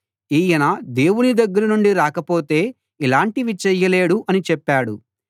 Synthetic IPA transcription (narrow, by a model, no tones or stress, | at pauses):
iːjɐnɐd̪e̞ːwunid̪ɐɡːɐɾɐnuɳɖiɾaːkɐpo̞ːt̪e̞ː | ilaːɳʈiʋit͡ʃɛjːɐle̞ːɽuʔɐnit͡ʃɛpːaːɽu